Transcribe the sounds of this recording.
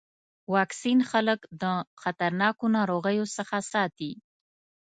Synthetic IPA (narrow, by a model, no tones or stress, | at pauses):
wɑksinxaləkd̪əxat̪aɾnɑkonɑɾoɣəjosəxasɑt̪i